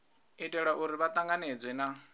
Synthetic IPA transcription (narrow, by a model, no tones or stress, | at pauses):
itʼɛɺaʔuɾiβat̪ʼaŋɡaned͡zwɛna